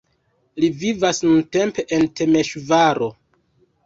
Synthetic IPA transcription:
livivasnunte̞mpe̞ʔente̞me̞ʃvaɾo̞

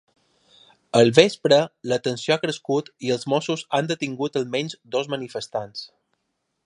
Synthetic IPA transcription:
əlˠβespɾələt̪ənsioakɾəskut̪iəlˠzmɔsuzand̪ət̪iŋɡut̪əlˠmɛɲzd̪ozmənifəst̪ans

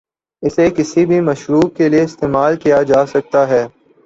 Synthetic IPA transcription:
ɪsekɪsibʱimɐʃɾuːk̚kːelieɪst̪eːmaːlkijad͡ʒaːsɐk̚t̪aɦɛː

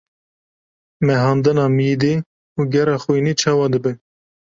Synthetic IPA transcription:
mɛɦɑːnd̪ɨnɑːmid̪i | uːɡʲɛɾɑxujnit͡ʃʰɑːwɑd̪ɨbɛ

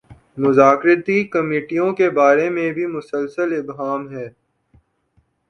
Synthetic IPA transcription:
mʊzaːkɾət̪ikɐmeːʈijõkebaːɾemẽbʱimʊsəlsəlɪbɦaːmɦɛː

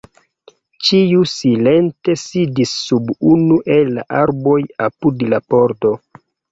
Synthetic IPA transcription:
t͡ʃiusile̞nte̞sidisːubunuʔe̞lːa̰ʔaɾbo̞japudlapoɾdo̞

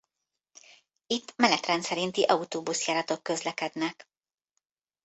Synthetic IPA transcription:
it̪ːmɛlɛt̪rɛnt̪sɛɾint̪iʔɒut̪oːbusjaːɾɒt̪o̞kːø̞zlɛkɛd̪nɛk

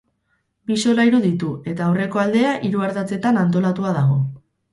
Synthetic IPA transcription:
biso̞lajɾoðit̪ue̞t̪aore̞ko̞ald̪e̞aʔiɾuaɾðat͡se̞t̪anant̪̬o̞lat̪uaðaɣ̞o̞

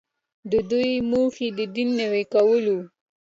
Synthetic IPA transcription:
d̪əd̪ujmoxid̪əd̪inːawekawəlu

